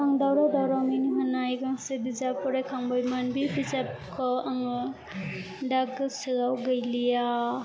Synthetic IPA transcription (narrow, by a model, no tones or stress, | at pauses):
aŋd̪awɾad̪awɾawminiɦɔnajɡaŋsebizapɔɾajkʰaŋbɔjmanbibizap̚kʰɔaŋ | daɡsɯɡawɡəjlija